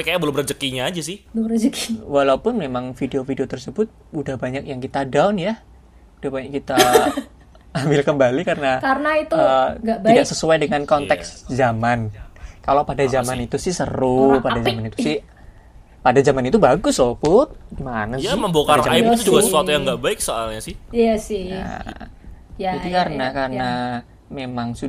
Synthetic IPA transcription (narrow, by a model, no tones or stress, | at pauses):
kajaʔbəlʊmbəd͡ʒəkiɲaːd͡ʒasɪhd͡ʒəkiwalaupʊnmemaŋfideofideot̪ərsəbʊt̪̚udahbaɲak̚jaŋkit̪adaʊnja | ud̥ahbakit̪a | ambɪlkəmbalikarənakarnait̪uətɡaidaksəsuajdəŋankɔnt̪ɛkszamankalowpadad͡ʒamanit̪usɪhsə̰ɾupadad͡ʒamanit̪usɪh | padad͡ʒamanit̪ubaɡʊslɔpʊt̪̚manaaməmbokaait̪uduɡassəsuat̪ujaŋɡaʔbaɪk̚soalɲasɪhjasɪa̰ | d͡ʒadikaɾənakarəna | memaŋsu